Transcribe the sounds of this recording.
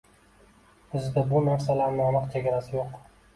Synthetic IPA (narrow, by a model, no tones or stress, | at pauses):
ʊzd̪abʊnaɾsalaɾnɪɒnɨqt͡ʃʰeɡʲaɾasɪjoq